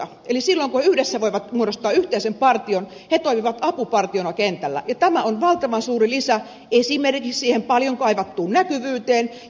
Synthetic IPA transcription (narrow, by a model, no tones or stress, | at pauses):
ɑ | elisilːoiŋkuheyhdesːæʋoiʋɑt̪muoɾost̪ɑːyht̪eisempɑrt̪ion | het̪oimiʋɑt̪ɑpupɑrt̪ionɑkent̪ælːæ̰jɑt̪æmæonʋɑlt̪ɑʋɑnsuːrilisæ | eisiːmerkikssiːhempɑljoŋkɑiʋɑt̪ːuːnnækyʋyːt̪eːn